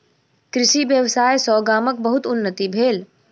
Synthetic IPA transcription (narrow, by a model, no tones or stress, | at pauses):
kɾɪʃiʋjəwsaːjsɔːɡaːmək̚bəɦʊt̪ʊnːət̪ibʱeːl